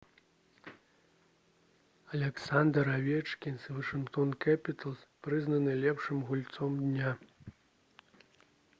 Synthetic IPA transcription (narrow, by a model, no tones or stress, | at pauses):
ɐlʲɛksand̪ɐɾavʲɛt͡ʂkʲinsvɐʂɨnkt̪ɔnkapʲit̪ɐlˠspɾɨznɐnɨlʲɛpʂɨmɣulʲt̪sɔmd̪ʲnʲa